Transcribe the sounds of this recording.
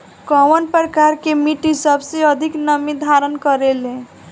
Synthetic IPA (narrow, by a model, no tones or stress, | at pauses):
kɔwənpɾəkaɾkemiʈisəbʱseəd̪ʱiknəmid̪ʱaɾənkəɾelẽ